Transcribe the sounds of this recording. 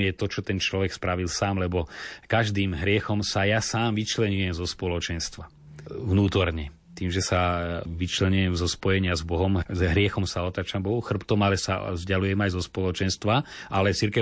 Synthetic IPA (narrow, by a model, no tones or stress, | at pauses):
jɛt̪ɔt͡ʃɔt̪ɛnt͡ʃlɔʋɛkspɾaʋilsaːmlɛbɔkaʒd̪iːmɦɾɪɛxɔmsajasaːmʋit͡ʃlɛɲujɛmzɔspɔlɔt͡ʃɛnst̪ʋa | ʋnuːt̪ɔɾɲɛ | t̪iːmʒɛsaʋit͡ʃlɛɲujɛmzɔspɔjɛɲɪazbɔɦɔmɦɾɪɛxɔmsaɔt̪aːt͡ʃambɔɦuxr̩pt̪ɔmalɛsa̰zɟalujɛmajzɔspɔlɔt͡ʃɛnst̪ʋaʔalɛt͡siɾkɛ